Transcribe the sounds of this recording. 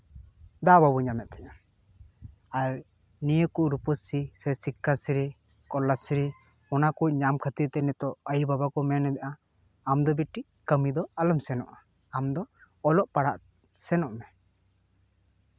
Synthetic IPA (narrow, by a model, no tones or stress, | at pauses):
d̪ababuɲamɛt̪̚t̪ɛʔa | aɾ | nijəkuʔɾupəsisɛsikːasiɾi | kɔlːasiɾi | ɔnakuc̚ɲamkʰat̪it̪ɛnɛt̪ɔʔəjbabakɔmɛnɛd̪ɛʔaː | md̪ɔbiʈi | kəmid̪ɔaləmsɛnɔʔaː | md̪ɔː | lɔʔpaɽaʔ | sɛnɔʔmɛ